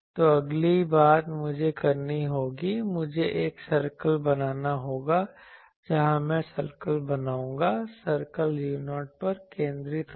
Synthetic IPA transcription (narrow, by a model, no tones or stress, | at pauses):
t̪oːɐɡlibaːt̪mʊd͡ʒʱekɐɾniɦoːɡimʊd͡ʒʱeʔeːksɐɾkəlbɐnaːnaɦoːɡa | d͡ʒɐɦãmɛ̃ːsɐɾkəlbɐnaːũːŋɡasɐɾkəljuːnoːɾʈ̚pɐɾkẽːnd̪ɾɪt̪